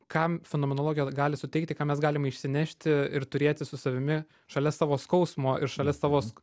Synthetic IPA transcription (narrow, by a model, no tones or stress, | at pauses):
kɑmfʲɛnoːmʲɛnolˠoːɡʲjɛɡɑːlʲɪsʊt̪ʲɛɪk̚t̪ʲɪkɑːmʲɛsɡɑːlʲɪmɐɪʃʲsʲɪnʲæʃʲt̪ʲɪɪɾt̪ʊɾʲeːt̪ʲɪsʊsɐʋʲɪmʲɪ | ʃɐlʲɛsɑːʋoːskɐʊsmoːʔɪɾʃɐlʲɛsɑːʋoːs